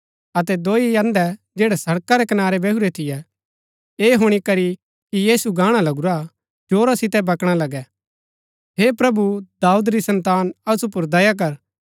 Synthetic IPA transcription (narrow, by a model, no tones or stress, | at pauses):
ɐt̪ɛd̪oːijɐ̃nd̪ɛ | d͡ʒeːɽɛsɐɽkaɾɛkɐnaːɾebɛɦuɾet̪ʰɪjɛ | eːɦʊɽ̃ikɐɾi | kijiːsuɡãːɽ̃alɐɡuɾa | d͡ʒoːɾasɪt̪ɛbɐkɽ̃alɐɡɛ | ɦepɾɐbud̪aːud̪ɾisɐ̃nt̪aːnɐsupʊɾd̪ɐjak̬ɐɾ